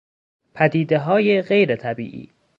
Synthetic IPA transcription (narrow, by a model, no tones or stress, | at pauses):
pʰæd̪iːd̪e̞ɦɒːjeɣejɾet̪ʰæbḭːʔḭː